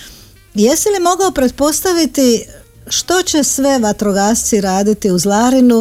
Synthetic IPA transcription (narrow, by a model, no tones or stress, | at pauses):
jesilimo̞ɡaopɾe̞t̪̚po̞st̪aʋit̪i | ʃt̪o̞t͡ɕe̞sʋe̞ʋat̪ɾoɡaːst̪siɾaːd̪it̪iuzlˠaɾinu